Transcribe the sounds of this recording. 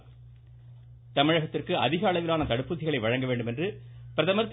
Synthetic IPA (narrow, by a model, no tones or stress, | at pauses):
t̪ɐmɪɻɐɣɐt̪ːɪrkɯʔɐðɪɣɐːɭɐʋɪlaːnɐt̪ɐɽɯpːɯt̪ːɪɣɐɭɐɪʋɐɻɐŋɡɐʋeːɳɖɯmɛndrɯpɪɾɐðɐmɐɾt̪ː